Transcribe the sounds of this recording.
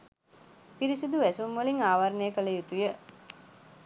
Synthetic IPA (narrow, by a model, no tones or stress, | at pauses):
piɾisud̪uʋæsumʋəliŋaːʋaɾnəjəkələjut̪ujə